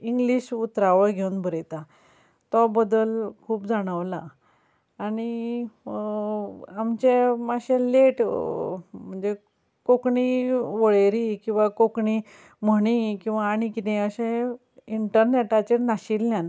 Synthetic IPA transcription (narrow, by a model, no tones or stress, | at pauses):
iŋɡliɕut̪ɾaʋəɡʱeunbʱəɾet̪a | t̪ɔbəd̪əlkʰuːpd͡zaɽ̃əʋlaː | ɽi | amt͡ɕemaɕẽleʈ | m̤əɳd͡ze | kokɳiʋəɭeɾikĩw̃ʋakokɳi | məɽ̃ikĩw̃ʋaːɽ̃ikit̪ẽəɕẽ | iɳʈəɾneʈat͡ɕenaɕilːjan